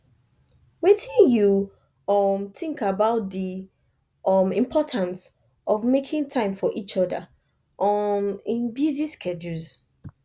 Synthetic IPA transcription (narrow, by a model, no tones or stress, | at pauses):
wetĩnju | ɔmθɪ̃ŋkabaʊt̚di | ʌmĩmpʰɔtʰãns | ʔɔvmekʰĩŋtʰãɪ̃mfɔʔit͡ʃɔdə | ʔɔmĩnbjiziskʰɛd͡ʒulz